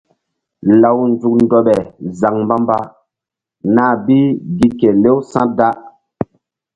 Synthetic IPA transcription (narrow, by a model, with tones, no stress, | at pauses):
la˨wn˦zu˨k̚ndɔ˨ɓɛ˨za˨ŋmba˦mba˦ | na˦˨bi˦ɡi˦ke˨le˦wsã˦da˦